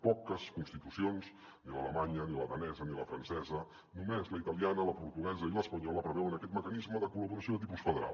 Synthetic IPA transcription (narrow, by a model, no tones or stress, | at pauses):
pɔkəskunst̪it̪usionz | nilə̰lə̰maɲəniləðənɛzəniləfɾənsɛzə | numezləit̪əlianələpuɾt̪uɣɛzəiləspəɲɔləpɾəβɛwənəkɛt̪məkənizməðəkuləβuɾəsjoðət̪ipusfəðəɾa̰l